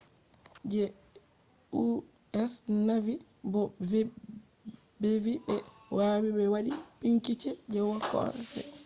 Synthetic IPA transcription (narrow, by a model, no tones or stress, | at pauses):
d͡ʒɛ | u | ɛsnavi | bɔ | bɛviɓɛwaːwibɛwaɗipiŋkit͡ʃɛd͡ʒɛwakɔ̰ɾtɛ̰